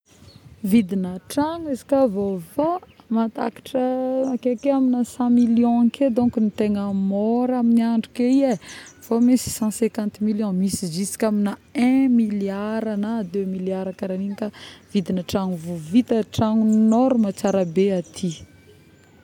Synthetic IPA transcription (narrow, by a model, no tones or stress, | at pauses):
vid̪inəʈ͡ʂaŋizi̥kavofo | mat̪a̰kḁʈ͡ʂəakekeaminəsɑ̃miljɔ̃ked̪õkunit̪eŋəmɔɾaminiaɳɖ͡ʐukeiefomisi̥sɑ̃sɛ̃kãnt̪miljɔ̃misizisi̥kʲaminaɛ̃miliaɾanad̪ømiljaɾakaɾaniɲikav̥id̪inaʈ͡ʂaŋuvuvit̪əʈ͡ʂaŋunɔɾumat͡saɾabeat̪ʰi